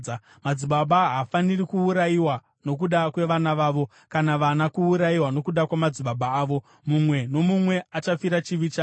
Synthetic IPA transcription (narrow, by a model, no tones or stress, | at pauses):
a | mad͡ziɓaɓaɦafanirikuːɾajiwa | no̞k̬uɗakwe̞ʋanaʋaːʋo̞ | kanaʋanakuuɾajiwano̞kuɗakwamad͡ziɓaɓaːʋo̞ | mumwe̞no̞mumwe̞at͡ʃafiɾat͡ʃiʋit͡ʃa